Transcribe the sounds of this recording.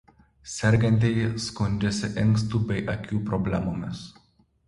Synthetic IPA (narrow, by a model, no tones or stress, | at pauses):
sʲɛɾʲˑɡʲɛnʲt̪ʲɛɪskʊnʲˑd͡ʒʲɛsʲɪʔɪŋks̬t̪uːbʲɛɪʔɐkʲuːpɾɔbʲlʲɛmoːmʲɪs